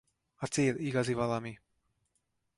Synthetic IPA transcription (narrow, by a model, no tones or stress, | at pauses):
at͡seːɾiɡazivalami